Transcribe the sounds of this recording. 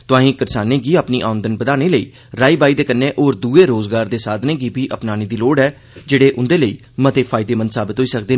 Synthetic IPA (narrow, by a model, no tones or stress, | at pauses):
t̪ʊãːɦĩːkəɾsaːneːɡiːaːpniːʔaːənd̪ənbəd̪aːneːləiː | ɾaːiːbaːiːd̪eːkənːẽːʔoːɾd̪uːeːɾoːzɡaːɾd̪eːsaːd̪nẽːɡiːbiːʔəpnaːniːd̪iːloːɽɦɛː | d͡ʒeːɽeːʔʊnd̪eːləḭː | mət̪eːpʰaːɪd̪eːmə̃nd̪saːbɪt̪ɦoːiːsək̚d̪eː